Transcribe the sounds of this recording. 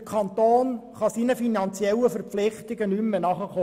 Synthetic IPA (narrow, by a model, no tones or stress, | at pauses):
əkʰɑnt̪oːnχɑsinəfinɑnt͡sjɛlːəfəɾpflɪχtɪɡənymːənɑχəχo